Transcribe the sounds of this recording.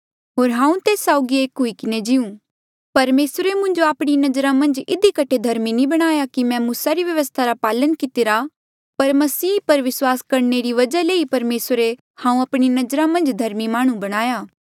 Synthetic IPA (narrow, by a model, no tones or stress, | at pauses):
ɦoːɾɦãːũt̪eːsːaːʊɡieːkɦʊikɪned͡ʒɪũ | pɐɾmeːsɾemʊ̃ɲd͡ʒoaːpɽ̃inɐd͡ʒɾãmɐ̃nd͡ʒɪd̪ikɐʈʰed̪ʱɐɾminĩbɐɽ̃aːjakimɛ̃muːsaɾiʋjɐʋəst̪ʰaɾapaːlənkɪt̪ɪɾa | pɐɾmɐsiːpɐɾʋɪswaːskɐɾneɾiʋɐd͡ʒaleːipɐɾmeːsɾe | hãːũɐpɽ̃inɐzɾãmɐ̃nd͡ʒd̪ʱɐɾmimaːɽ̃ũbɐɽ̃aːjaː